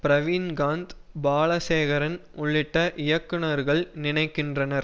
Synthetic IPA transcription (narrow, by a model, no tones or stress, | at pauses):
pɾɐʋiːnɡaːnd̪baːɭɐseːɣɐɾɐnʊɭːɪʈːɐʔɪjɐkːɪnɐɾɣɐɭnɪnɐɪkːɪndrɐnɐɾ